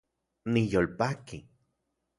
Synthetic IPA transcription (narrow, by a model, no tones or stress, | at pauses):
nijolpaki